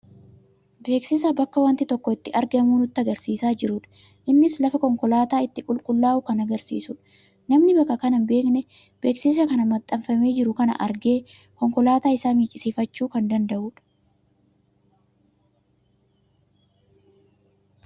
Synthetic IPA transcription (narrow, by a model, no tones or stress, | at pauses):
be̞ːksɪs̬abɐkːɐwɐnt̪ɪt̪ɔkːɔɪt̪ːɪʔɐɾɡɐmuːnʊt̪ːɐɡɐɾsiːsaːd͡ʒɪɾʊᶑɐ̥ | ʔɪnːɪslɐfɐkɔŋkɔlaːt̪aːɪt̪ːɪkʼʊlkʼʊlːaːʔʊkɐnɐɡɐɾsḭːsʊᶑɐ̥ | nɐmnɪbɐkːɐkɐnɐnbe̞ːknɛ | b̥e̞ːksɪs̬ɐkɐnɐmɐt̪ʼːɐmfɐme̞ːd͡ʒɪɾʊkɐnɐ̰ʔɐɾɡe̞ː | kɔŋkɔlaːt̪aːɪsaːmiːkʼɪsiːfɐt͡ʃːuːkɐnd̪ɐnd̪ɐʔuːᶑɐ̥